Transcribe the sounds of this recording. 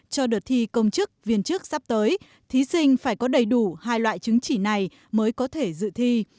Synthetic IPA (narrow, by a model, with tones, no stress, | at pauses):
t͡ɕɔ˧ɗɨ˨˩t̚t̪ʰi˧kə˧wŋ͡mt͡ɕɨ˦˥k̚vi˧˩ənt͡ɕɨ˦˥ək̚sa˦˥p̚t̪əː˨˦j | t̪ʰi˨˦sï˧ŋ̟faː˧˩jkɔ˨˦ɗə˨˩jɗu˧˩haː˧jlwa̰ː˧˨jt͡ɕɨ˨˦ŋt͡ɕi˧˩na˨˩j | məː˨˦jkɔ˨˦t̪ʰe˧˩zɨ̰˧˨t̪ʰi˧